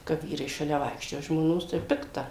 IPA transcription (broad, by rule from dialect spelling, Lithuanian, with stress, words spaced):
kɐ ˈʋʲiːrɐɪ ʃɐˈlʲɛ ˈʋɐɪkʃʲt͡ʃʲoːjɛ ʒmoːˈnoːs tɐɪ ˈpʲɪktɐ